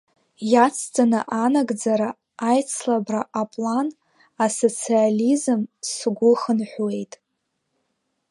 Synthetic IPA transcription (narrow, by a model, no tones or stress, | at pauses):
jat͡sʰt͡sʰʼana̰ʔanaɡd͡zaɾa | ajt͡sʰlabraʔapʼlan | aso̞t͡sʰializɨmsɡʷʊχənħʷwe̞jtʼ